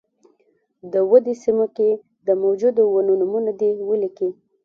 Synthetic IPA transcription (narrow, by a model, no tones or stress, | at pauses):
d̪əwəd̪esimoke | d̪əmawd͡ʒud̪owənunumunad̪ewəliki